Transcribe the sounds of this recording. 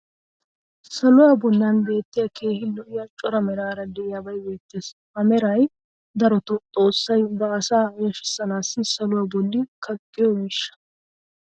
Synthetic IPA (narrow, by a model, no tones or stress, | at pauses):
sɐlʊjɐbɔnːɐnbe̞ːt̪ːɪjɐke̞ːhɪlːɔjɐt͡ʃʼɔɾɐmɛɾaːɾɐd̪ɛjɐbɐjbe̞ːt̪ːeːshɐmɛɾɐj | d̪ɐɾɔt̪ɔt̪ʼo̞ːsːɐjbɐɐsaːɡɛʃɪ̥sːɐnaːsːɪsɐlʊwɐbɔlːɪkʰɐkʼːɪjɔmɪʃːɐ̥